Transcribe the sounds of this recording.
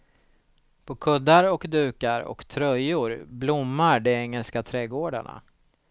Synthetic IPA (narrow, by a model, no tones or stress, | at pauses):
pʰɔkʰɵd̪ːaɾɔkd̪ʉ̟ːkaɾɔ̰kt̪ʰɾœjʊɾblʊmːaɖɛɛŋːɛlskat̪ʰɾɛːɡoːɖa̰ɳa̰